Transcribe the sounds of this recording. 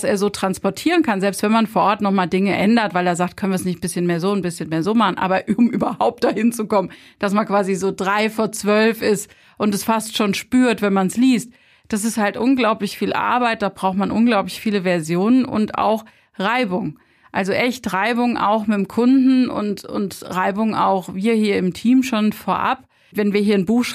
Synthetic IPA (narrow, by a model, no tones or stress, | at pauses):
aseːɐzoːtʁ̥anspɔɐtʰiːʁ̞ənkʰanzɛlpstv̥ɛnmanfoːɐʔɔɐtnɔχmaːldɪŋəʔɛndɐtvaɪleːɐzaːk̚tkʰœnviɐsnɪçtbɪsçənmeːɐzoːʊnbɪsçənmeːɐzoːmaχn̩ʔa̰ːbɐʊmʔyːbɐhaʊp̚t̚d̥ahɪnt͡sukɔmən | d̥asmankv̥aːzizoːdʁaɪfoːɐt͡sv̥œlfɪst | ʔʊntɛsfastʃoːnʃpyːɐtv̥ɛnmansliːst̚ | d̥as̬ɪsthaltʔʊnɡlaʊplɪçfiːlʔa̰ɐbaɪt̚d̥aːbʁaʊxtmanʔʊnɡlaʊp̬lɪçfiːləvɛɐzjoːnənʊ̰nta̰ʊx | ʁaɪbʊŋ | ʔalzoʔɛçtʁaɪbʊŋʔa̰ʊxmɪmkʰʊndn̩ʊ̰ntʊ̰ntʁaɪbʊŋa̰ʊxviːɐhiːɐɪmtʰiːmʃoːnfoːɐʔa̰p | vɛnviːɐɦiːɐnbuːxʃ